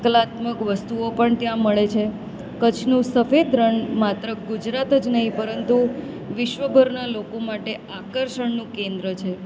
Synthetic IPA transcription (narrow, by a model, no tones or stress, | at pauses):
klat̪məkʋəst̪uopəɳt̪jãməɭet͡ʃʰe | kət͡ʃʰnũsəfed̪ɾəɳmat̪ɾəɡud͡ʒɾat̪əd͡ʒnəɦĩpəɾənt̪u | ʋɪʃʋəbʱəɾnalokomaʈe | akəɾʃəɳnũkẽnd̪ɾət͡ʃʰe